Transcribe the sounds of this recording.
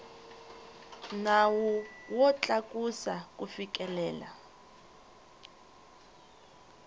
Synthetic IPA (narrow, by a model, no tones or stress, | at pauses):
nawɔwɔt͡ɬʼakʼusak̬ʼufikʼɛlɛːla̰